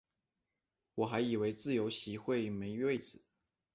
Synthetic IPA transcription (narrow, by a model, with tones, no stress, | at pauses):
wɔ˨˩xa˧˥ɪi˨˩we˧˥ɪt͡sɹ̩˥˩jo˧˥ʊɕi˧˥xwe˥˩ɪme˧˥ɪy˥˧we˥˩ɪt͡sɹ̩˨˩˦